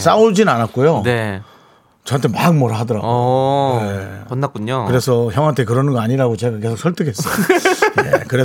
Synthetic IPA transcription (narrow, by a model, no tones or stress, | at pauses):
s͈auɭd͡ʑinɯnanat̚k͈ojone | t͡ɕʌɦantʰemak̚mʌɾaɦadʌɾaɡoepʌnːak͈uɲokɯɾe̞sʰʌçjʌŋɦantʰe̞k̬ɯɾʌnɯnɡʌaɲiɾaɡot͡ɕe̞ɡak̬e̞sʰok̚s͈ʰʌɭtʰɯkʰe̞s͈ʌjekɯɾe